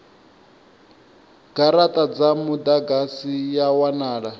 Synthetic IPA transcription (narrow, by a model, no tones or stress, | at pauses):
ɡ̥aɾatʼad͡zamud̪aɡasijawanaːɺa